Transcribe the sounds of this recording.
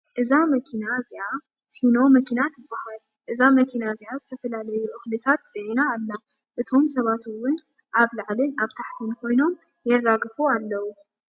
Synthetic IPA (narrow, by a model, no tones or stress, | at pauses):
ʔɨzamɐkʰinaziʔa | sino̞mɐkʰinat̪ɪbːahal | ʔɨzamɐkʰinaziʔazɨt̪ʰɐfɐlalɐjuʔɨxlɨt̪ʰat̪zʼiʕinaːlːa | ʔɨt̪ʰo̞msɐβat̪ɨwːʊn | ʔaβlɨʕlɨnaβt̪ʰaħt̪ʰinkʰo̞jno̞m | jɛrːaɡɨfualːɐwu